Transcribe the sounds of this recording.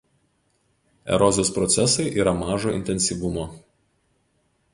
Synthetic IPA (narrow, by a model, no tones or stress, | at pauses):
ɛ̰ɾɔzʲoːspɾɔt̪sʲɛsɐɪʔiːɾɐmɑːʒoːʔɪ̰nʲt̪ʲɛnʲsʲiːˑʋʊmoː